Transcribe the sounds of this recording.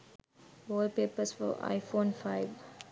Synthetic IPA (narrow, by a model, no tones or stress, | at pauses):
ʋɔːlpeːpəsfɔ̰ʔa̰ɪfõːnfaɪʋ